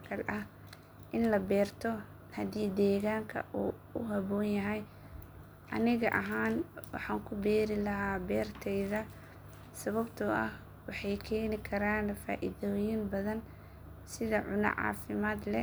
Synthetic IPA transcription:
kʰɐlʔɐh | ʔɪnlɐbɛːrt̪ʰɔ | hɐd̪iːd̪ɛːɣaːŋkʰɐ̰ʔuː | ʊɦɐβɔːnjɐɦɛj | ʔɐ̰nɪɣɐ̰ʔɐɦaːnwɑ̰ħɑːŋkʰʊbɛːɾɪlɐɦaːbɛːrt̪ʰɛjðɐ | sɐβɐbt̪ʰʊʔɐ̰h | wɑħɑjkʰɛːnɪkʰɐɾaːnfa̰ːʔɪ̰ðɔːjɪnbɐðɐn | sɪðɐʕʊnɐ̰ʕɑ̰ːfɪmaːd̪lɛ

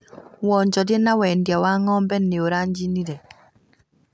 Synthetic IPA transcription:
wɔɲd͡ʒɔdjɛnawɛndjawaŋɔmbɛnːeoɾaɲd͡ʒiniɾɛ

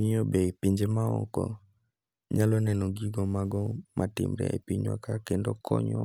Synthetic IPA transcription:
iɲɔbɛpiɲd͡ʒemaɔ̰kɔ̰ | ɲalɔnɛnɔɡiɡɔmaɡɔmʔatɪ̰mɾɛ̰ɛ̰piɲwa̰kakendɔkʰɔ̰ɲɔ̰

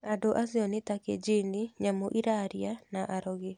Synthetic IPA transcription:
adoʔasiɔnetaked͡ʒiniɲamoʔiɾaɾjanaʔaɾɔɣe

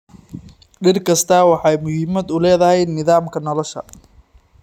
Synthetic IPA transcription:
ɖɪrkʰɐst̪ʰɐwɑħɑjmʊhɪmɐd̪ʊlɛːðɐhɛjnɪðaːmkʰɐnɔlɔʃɐ̰

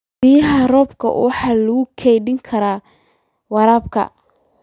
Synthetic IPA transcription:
bijɐɦɐrɔːbkʰɐ̰wɑħɑːlɐɣʊkʰɛjɖɪŋkʰɐɾaː | wɑɾaːb̚kʰɐ̰

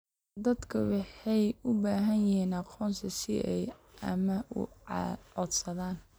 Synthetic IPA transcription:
d̪ɐd̪kʰɐwɑħɑjʊbaːɦɐnjɪhiːnɑqɔːnsʰɐsɪ̰ʔɛjʔɐ̰mɐʊ̰ʕɔd̪sɐðaːn

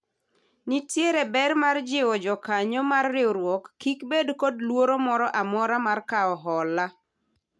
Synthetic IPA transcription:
nitjeɾebɛrmard͡ʒɪwɔd͡ʒɔkaɲɔmarːɪoɾwɔkːikbedkodlwoɾomɔɾɔʔamɔɾamarkaɔɦɔla

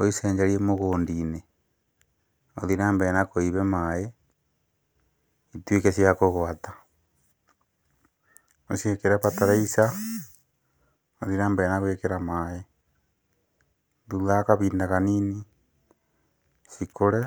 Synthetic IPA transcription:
oiseːɲd͡ʒaɾiemoɣoːndine | oðiɾaːmbenakoiβemae | itwekesiakoɣwatḁ | osekeɾapataɾaisa | oðiɾaːmbenaɣwekeɾamae | dulakaβiːndaɣanini | sikoɾe

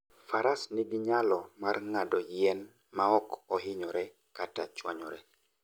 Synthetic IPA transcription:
faɾasniɡiɲalɔmarŋadɔjɛn | maɔkɔɦɪɲɔɾɛ | kata̰t͡ʃwa̰ɲɔɾɛ

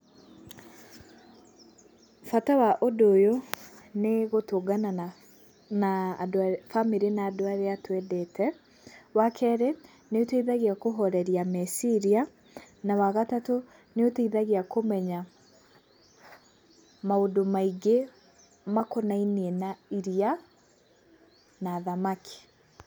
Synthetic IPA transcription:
fatawaʔodoːjoneɣotoɡanaa | nadfamiɾinaːdoaɾeatwɛdɛtʰɛ | wakʰɛɾe | neoteiðaɣiakoɦɔɾɛɾiamɛsiɾia | nawaɣatato | neoteiðaɣiakomɛɲa | maodomaiɡe | makonainienaiɾia | naːðamakʰi̥

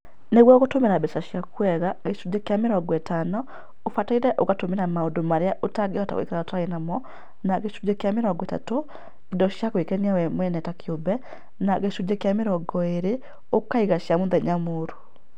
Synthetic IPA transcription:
neɣwɔoɣotomeɾabɛsaʃjakwɛɣaɣeʃud͡ʒekeameɾɔɡwɛtanɔ | ofataiɾɛʔoɣatomeɾamaodomaɾeaʔotaɡeɔta̰kwḛkeɾaotaaenamɔ | naɣeʃud͡ʒekeameɾɔɡwɛta̰to | edɔʃjakoekɛniawɛmwɛnɛtakiobɛ | naɣeʃud͡ʒekeameɾɔɡɔeɾe | okaiɣaʃjamonðɛɲamoːɾu̥

